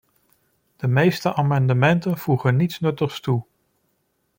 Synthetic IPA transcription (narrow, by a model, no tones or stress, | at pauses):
d̥əmejstəʔaːmɑndəmɛntənv̥uχənitsnɵtəχstu